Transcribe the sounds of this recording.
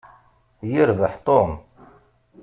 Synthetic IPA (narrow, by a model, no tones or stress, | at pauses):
jəɾvəħt̪ˤom